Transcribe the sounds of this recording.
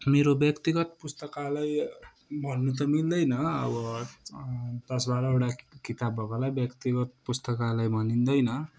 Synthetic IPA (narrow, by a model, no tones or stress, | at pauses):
meɾobjʌkt̪iɡʌt̪pust̪ʌkalaj | bʱʌnːut̪̬ʌmild̪ʌjnʌʌ̰bʌ | t̪ʌsbaɾʌewʈakit̪abʌkʌlajbjʌkt̪iɡʌt̪̚pust̪ʌkalajbʱʌnind̪ʌjnʌ